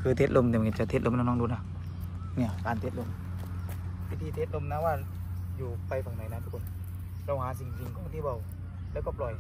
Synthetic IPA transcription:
kʰɯː˧t̪ʰeː˧t̪̚lo˧˨mni˧˨ki˧˩t͡ɕa˧˩t̪ʰeː˧˦t̪̚ʔo˧˨mnaː˧nɔ˧˥˨duː˧˨na˧˩ | ni˧˩˨kaː˨nt̪ʰe˧t̪̚lo˧˨m | wi˧t̪ʰiː˧t̪ʰe˧t̪̚lo˧˨mnaː˧˨waː˧˩ | juː˧˩pa˧jfa˨˩ŋnɔ˨˦jnaː˧t̪ʰu˧kʰːn | ɾa˧˩whaː˨˦si˧˩ŋ˧si˧ŋkʰɔː˧˦ŋ˧t̪ʰi˧bɔ˧˩w | lɛː˧˦wkɔ˧˩p̚lɔ˨˩j

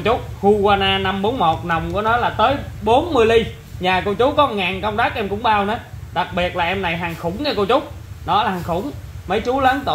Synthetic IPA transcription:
t͡ɕʊ˦˥k͡p̚hu˧ɣwaː˧naː˧na˧mɓo˨˦nmo˨˩t̚na˨˩wŋ͡mkṵ˧˨˦nɔ˨˦jlaː˨˩t̪əː˨˦jɓo˨˦nmɨ˧əjli˧ | ɲaː˨˩ko˧wt͡ɕʊ˨˦kɔ˨˦ŋaː˨˩nkə˧wŋ͡mt̪aː˦˥k̚ʔɛ˧mkʊ̰˧˥˦ŋ͡mɓaː˧wnə˨˦ɗa˨˩k̚ɓi˨˩ət̚laː˨˩ʔɛ˧mna˨˩jɦaː˨˩ŋxʊ˧˩˦ŋ͡mɲə˧˩ko˧wt͡ɕʊ˦˥k͡p̚nɔ˨˦laː˨˩haː˨˩ŋxʊ˧˩˦ŋ͡mmə˨˦jt͡ɕu˨˦ləː˨˦nt̪ṵ˧˨

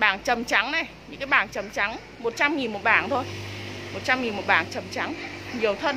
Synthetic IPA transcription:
ɓaː˧˩nt͡ɕə˨˩mt͡ɕa˨˦ŋna˨˩jɲɨ̰˧˥ŋkaː˨˦jɓaː˧˩nt͡ɕə˨˩mt͡ɕa˨˦ŋ | mo˨˩t̚t͡ɕa˧mŋi˨˩nmo˨˩t̚ɓaː˧˩nt̪ʰo˧jmo˨˩t̚t͡ɕa˧mŋi˨˩nmo˨˩t̚ɓa̰ː˧˨˩nt͡ɕə˨˩mt͡ɕa˨˦ŋɲi˨˩əwt̪ʰə˧n

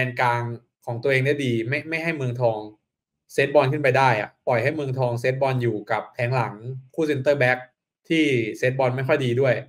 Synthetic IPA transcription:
ɛː˧nkaː˧ŋ | kʰɔː˩˦ŋt̪u˧ʔeː˧ŋda˥˩diː˧ma˥˩jma˥˩jɦa˥˩jmɯː˧ŋt̪ʰɔː˧ŋ | seː˦˥t̪̚bɔː˧nkʰɯ˥˩npa˧jdaː˥˩jʔa̰˨˩pɔ˨˩jɦa˥˩jmɯː˧ŋt̪ʰɔː˧ŋs̬eː˦˥t̪̚bɔː˧njuː˨˩ka˨˩p̚t̪ʰɛː˩˦ŋla˩˦ŋkʰuː˥˩si˧nt̪ɤː˥˩bɛ˦˥k̚ | t̪ʰiː˥˩seː˦˥t̪̚bɔː˧nma˥˩jkʰɔ˥˩jdiː˧du˥˩əj

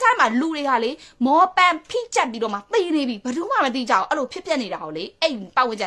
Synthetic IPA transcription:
kʰa˦ma˨lu˨ɾe˨ɡa̰˦˨le˦mɔ˨˦pã˨pʰḭ̃˦˨t͡ɕa˦˨pːi˦ɾɔ˨ma˨t̪i˨ne˨bji˦bə˨d̪u˦ma̰˦˨mət̪̬ḭ˦˨d͡ʑa̰˦˨ʊ̰̃˨ʔɛ˦lo˨pʰjɪ˦pjɛ˦ʔne˨ɾa˨ɡo˨le˦ʔɛ˦˨i˨pa̰˦ʔwɪ̃˨ɲt͡ɕɪ̃˨

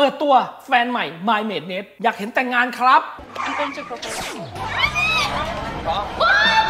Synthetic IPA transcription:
pɤː˨˩t̪ːu˧ɐfɛː˧nma˨˩jmaː˧jmeː˨˩t̪̚neː˦˥t̪̚jaː˨˩k̚he˩˦nt̪ɛː˨˩ŋaː˧nkʰɾa˦˥p̚ | ʔa˧nt̪e˧nt͡ɕa˨˩ka˧˩kʰa˧˩n˦˧˦ | kʰɔ˦˥

